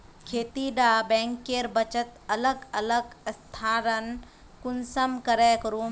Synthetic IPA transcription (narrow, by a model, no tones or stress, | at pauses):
kʰeːt̪iɖaːbɛ̃ːŋkːeːɾbɐt͡ʃət̪ɐləɡɐləɡst̪ʰaːɾɐn | kunsəmkɐɾekɾu